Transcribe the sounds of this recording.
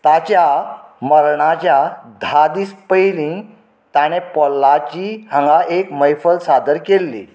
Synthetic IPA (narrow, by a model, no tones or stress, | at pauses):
t̪at͡ɕjaməɾɳat͡ɕjad̪ʱad̪iːspəjlĩ | t̪aɽ̃epɔlːat͡ɕiːhə̃ŋɡaʔekməjfəlsad̪əɾkelːḭ